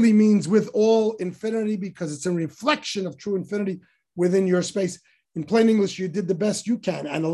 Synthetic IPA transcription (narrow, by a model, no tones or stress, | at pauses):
limĩnzwɪðɔlˠɨ̃ɱfɪ̃nɨɾibɨkʰʌzɨtsɨ̃nɹiflɛkʃɨ̃nʌv̥tʰɹ̥uɨ̃ɱfɪ̃nɨɾi | wɨθɪ̃njə˞speɪs | ɨ̃n̩pʰl̥ẽɪ̃nɪ̃ŋɡlɨʃɨdɨd̪̚ðɨbɛst͡ʃɨkʰɨ̃nɨ̰̃nə